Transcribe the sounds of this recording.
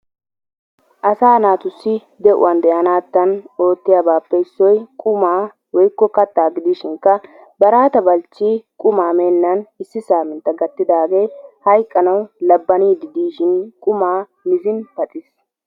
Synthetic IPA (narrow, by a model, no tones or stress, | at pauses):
ʔɐsaːnaːt̪ʊsːɪ | d̪ɛʔʊ̰wɐnd̪ɛʔɐnaːt̪ːɐno̞ːt̪ːɪjabaːpːɛɪsːɔjkʼʊmaː | wɔjkːɔkɐt̪ːaːɡɪd̪iːʃɪŋkːɐ | bɐɾaːt̪ɐbɐlt͡ʃːikʼʊmaːmeːnːɐnɪsːɪsaːmɪnt̪ːɐɡɐt̪ːɪd̪aːɡe̞ːhɐjkʼːɐnɐwlɐbːɐniːd̪ɪd̪iːʃɪnkʼʊmaː | mɪzɪnpɐt̪ʼɪs